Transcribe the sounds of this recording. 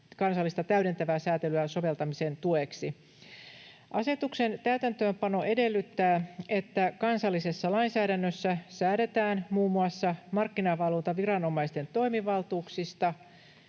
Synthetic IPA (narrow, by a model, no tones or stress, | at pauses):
kɑnsɑlːist̪ɑt̪æyɥde̞nt̪æʋæːsæːt̪elyæso̞ʋe̞lt̪ɑmisent̪ueksi | ʔɑse̞t̪ukse̞nt̪æyt̪ænt̪øːmpɑno̞ʔe̞de̞lːyt̪ːæːe̞t̪ːækɑnsɑlːise̞sːɑlɑinsæːɾænːøsːæsæːɾe̞t̪æːnmuːmːuɑsːɑmɑrkːinɑʋɑlunt̪ɑʋirɑno̞mɑist̪e̞nt̪o̞imiʋɑlt̪uːksist̪ɑ